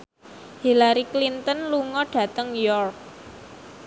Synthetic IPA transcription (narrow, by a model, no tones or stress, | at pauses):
hilaɾiklint̪ənluŋɔɖ̥ä̤t̪əŋjɔrk̚